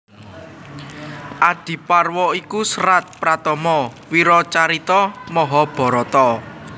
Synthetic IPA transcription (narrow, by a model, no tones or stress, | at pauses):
ʔad̪̥i̤parwɔikusɾat̪̚pɾat̪ɔmɔwiɾɔt͡ʃaɾit̪ɔmɔɦɔb̥ɔ̤ɾɔt̪ɔ